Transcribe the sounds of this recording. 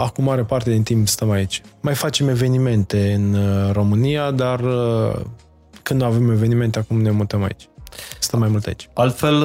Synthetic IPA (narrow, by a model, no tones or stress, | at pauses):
akumːaɾe̞part̪e̞d̪int̪impst̪əmait͡ʃʲmajfat͡ʃe̞me̞ve̞nime̞nt̪e̞ɨnro̞mɨnijad̪ar | kɨnd̪nuave̞me̞ve̞nime̞nt̪e̞akumnemut̪əma̰ḭt͡ʃʲst̪əmːajmult̪ea̰it͡ʃʲalt̪fel